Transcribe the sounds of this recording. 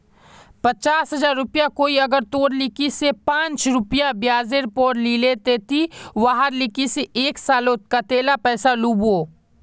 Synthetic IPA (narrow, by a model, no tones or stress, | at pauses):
pət͡ʃaːsɦɐzaːɾːʊpijakoːiɐɡəɾt̪oːɾlɪkisepãːnt͡ʃɾʊpijabjaːzeɾpoːɾlilet̪et̪ʰiʋaːɦaɾlɪkiseʔeːksaːlot̪̚kat̪eːlapɛːsaluːboː